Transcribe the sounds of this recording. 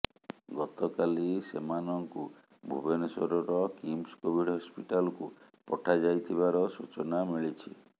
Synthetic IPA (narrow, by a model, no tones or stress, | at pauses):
ɡɔt̪ɔkalisemanɔŋku | bʱṵbenɔsɔɾɔɾɔkimskobʱiɖɦɔspiʈalɔku | pɔʈʰad͡ʒajt̪ʰiβaɾɔsut͡ʃɔnamiɭit͡ʃʰi